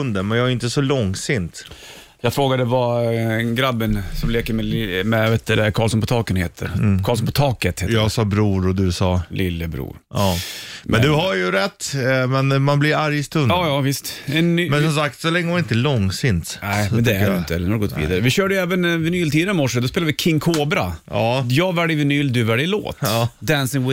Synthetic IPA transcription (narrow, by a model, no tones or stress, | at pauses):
ɵnd̪əmɛnjaɡaɾɪnt̪əsɔlɔŋsɪnt̪ | jɑːɡfɾoːɡad̪əvaɡɾad̪bɪnsɔmleːkəɾmɛɪmɛvɛt̪ːəɾɛkʰɑːlsɔnpɔt̪ʰɑːkənheːt̪ʰə̰ɾkʰɑːls̬ɔnpʰɔt̪ʰɑːkət̪het̪jɑːɡsɑːbɾuːɾɔd̪ʉsɑːlɪlːəbɾṵːɾɑːmɛnd̪ɵhaɾjɵɾɛt̪ːmɛnmanblɪɾaɾjst̪ɵnɑːjɑːvɪst̪ɛnmɛnssɔmsak̚t̪sɔlɛŋːəmanɪnt̪əlɔŋːsɪnt̪nɛɪɛnd̪ɛnt̪əɛlːnhaɾɡɔt̪ːvḭːd̪aɾəvɪɕøːɖəjɛːvənvɛnyːlt̪ʰiːd̪əɾmɔʂəd̪ɔspeːlavɪkʰɪŋːkʰoːbɾa̰ɑːjɑːɡvæɖjvɪnyːld̪ʉvæɖjlo̰ːt̪ɑːd̪ænsɪŋwɪ